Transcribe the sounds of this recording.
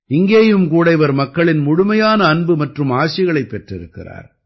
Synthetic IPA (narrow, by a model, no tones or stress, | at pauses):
ɪŋɡeːjɯmkuːɽɐɪʋɐɾmɐkːɐɭɪnmʊɻʊmɐjaːnɐːnbɯmɐʈrɯmaːsɪɣɐɭɐɪpːɛʈrɪɾɯkːɪ̰ra̰ːɾ